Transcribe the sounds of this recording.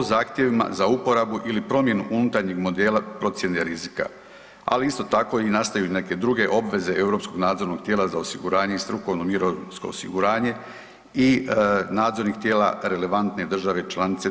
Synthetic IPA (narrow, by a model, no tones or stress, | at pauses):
ozaːxt̪je̞ʋima̰zaupo̞ɾabuʔilipɾo̞mje̞nuʔunut̪aɾɲiɡmo̞d̪eːlˠapɾo̞t̪sje̞neɾizika̰ | a̰liist̪o̞t̪ako̞inast̪ajune̞ke̞d̪ɾuɡe̞ʔo̞bʋe̞ze̞ʔevɾo̞ːpsko̞ɡnaːd̪zo̞ɾno̞ɡ̥̚t̪ʲjeːlazaosiɡuɾaːɲe̞ist̪ɾuko̞ʋno̞miɾosko̞̰o̰sḭɡuɾaːɲe̞ | inaːd̪zo̞ɾnikt̪jeːla̰ɾe̞le̞ʋant̪ne̞d̪r̩ʒaʋe̞t͡ʃlˠanit̪se